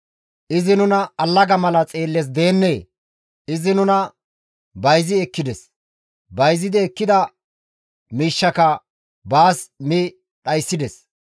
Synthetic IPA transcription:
ʔɪzɪnʊnɐɐlːɐɡɐmɐlɐt͡sʼe̞ːlːɛs̬d̪e̞ːnːeː | ɪzɪnʊnɐ | bɐjzɪɛkːɪd̪ɛs | bɐjzɪd̪ɪɛkːɪd̪ɐ | miːʃːɐkɐ | baːsmɪ | ɗɐjsːɪd̪ɛs

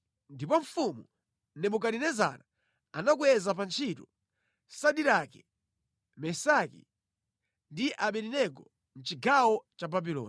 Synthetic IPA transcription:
ndipɔɱ̩fumu | nɛmuk̬aɗinɛza̰na | anak̬wɛzap̬ant͡ʃʰitu | saɗiɾakɛ̥ | mɛsakḭ | ndiʔaɓɛɾinɛɡɔ | n̩t͡ʃiɡawɔt͡ʃababilɔ̰ːn

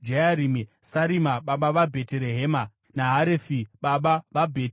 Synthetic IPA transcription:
d͡ʒeaɾimisaɾimaɓaɓaʋabʱeteɾeɦeːma | naɦaɾefiɓaɓaʋabʱe

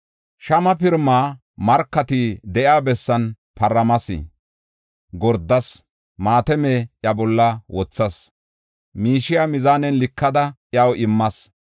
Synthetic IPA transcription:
ʃɐmɐpɪɾmaː | mɐɾkːɐt̪ɪd̪ɛʔjaːbɛsːɐn | pɐɾːɐmɐsḭ | ɡɔɾd̪ːɐs | maːt̪ɛmeʔjɐbɔlːɐwɔt͡sːɐs | miːʃɪjamɪzaːnɛnlɪkːɐd̪ɐʔjɐwʔɪmːɐs

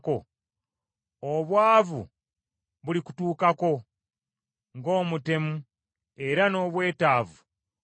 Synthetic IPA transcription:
ko̞ | oβwaːvṵ | βuliku̥tuːkako̞ | ŋɡo̞ːmute̞mu | e̞ɾano̞ːβwe̞ːtaːvu

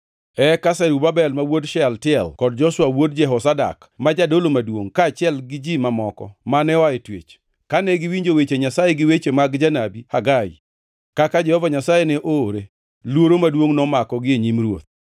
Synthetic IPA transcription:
ɛkasɛɾubabɛlmawodʃɛltɪɛlkɔd̚d͡ʒɔswawod̚d͡ʒɛɦɔsada̰k | mad͡ʒadolomadwo̰ŋkaːt͡ʃɪɛlɡɪd͡ʒimamɔkɔ̰manɛɔaetwḛt͡ʃ | kanɛɡɪwiɲd͡ʒowet͡ʃeɲasajeɡɪwet͡ʃemaɡd͡ʒanabihaɡaḭ | kakad͡ʒɛhɔvaɲasajenɛʔoːɾe | lwoɾomadwoŋnɔmakɔɡɪeɲimɾwo̰t̪̚

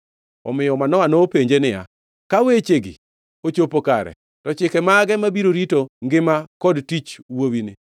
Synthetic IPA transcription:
ɔ̰mɪjɔmanɔanopeɲd͡ʒenɪja̰ | kawet͡ʃeɡɪ̰ | ot͡ʃopokaɾɛ̰ | tɔt͡ʃɪkɛmaɡɛmabiɾoɾitoŋɡɪmakɔdtit͡ʃwowinɪ

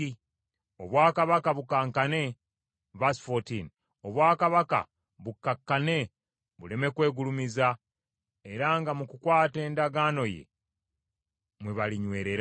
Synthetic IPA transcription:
i | oβwaːkaβakaβukaːŋkane̞ | vasfotin | oβwaːkaβaka̰ | βukːakːane̞ | βule̞me̞kwe̞ːɡulumiza | e̞ɾaŋɡamukukwaːte̞ːndaɡaːno̞jḛ | mweβaliɲwe̞ːɾe̞ɾ

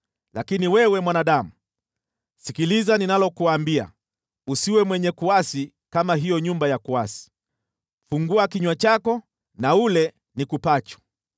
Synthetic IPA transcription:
lakiniwɛwɛmwanaɗamu | sikilizaninalɔkuwaːmbia̰ | usiwɛmwɛɲɛkuasi | kamaɦijɔɲumbajakuasi̥ | fuŋɡuakiɲwat͡ʃakɔ | naulɛ | nikupat͡ʃwḁ

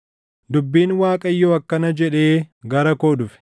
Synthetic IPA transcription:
d̪ʊbːiːnwaːkʼɐjːoːɐkːɐnɐd͡ʒɛᶑe̞ːɡɐɾɐkoːd̪ʊfɛ̥

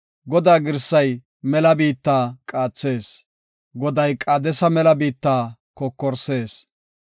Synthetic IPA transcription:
ɡɔd̪aːɡɪɾsːɐj | mɛlɐbiːt̪ːaːkʼaːt͡sːe̞ːs | ɡɔd̪ɐjkʼad̪ɛsɐmɛlɐbiːt̪ːaːkɔkːɔɾse̞ːs

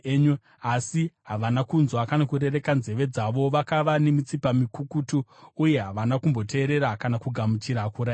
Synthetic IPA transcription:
ɲ | asiɦaʋanakunzwakanakuɾe̞re̞kanze̞ʋe̞d͡zaʋo̞ʋakaʋane̞mit͡sipamikukutuːje̞ɦaʋanakumbo̞te̞ːɾe̞ɾakanakuɡʱamut͡ʃiɾakuɾa

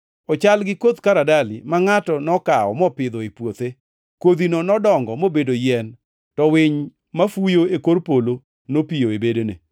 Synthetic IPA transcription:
ɔt͡ʃalɡɪkod̪kaɾadalɪ̰maŋatɔnɔkaɔ̰mɔpɪd̪ɔepwot̪e | kod̪inonɔdɔŋɡɔmobedojɛn | tɔwɪɲ | mafujoekoɾpolo | nopijoebedonḛ

